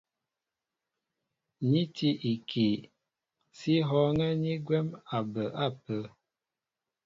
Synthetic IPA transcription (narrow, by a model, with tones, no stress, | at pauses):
ɲi˦tʰi˦ʔi˨kʰi˨ | si˦ɦɔ˦ŋɛ˦ɲi˦ɡwɛ˦ma˨bə˨ʔa˦˨pə˦